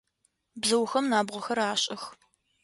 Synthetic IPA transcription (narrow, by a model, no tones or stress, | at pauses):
bzɐwxɐmnaːbʁʷɔxɐɾaːɕʼɐx